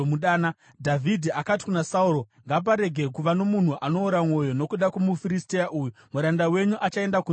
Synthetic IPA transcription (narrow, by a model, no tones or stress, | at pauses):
uɗaːna | dʱavʱidʱiakati̥kunasauɾo̞ | ŋɡap̬aɾe̞ɡʱekuʋano̞mun̤uʔano̞ːɾamo̞jo̞no̞kuɗakumufiɾistejaʔuːjumuɾandawe̞ɲuʔat͡ʃae̞ndaku